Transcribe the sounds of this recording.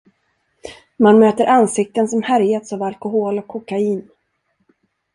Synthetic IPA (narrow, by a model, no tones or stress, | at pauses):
manmøːt̪əɾʔansɪk̚t̪ənsɔmhæɾjat̪saːvalkʊɦoːlɔkʰːɔkaiːn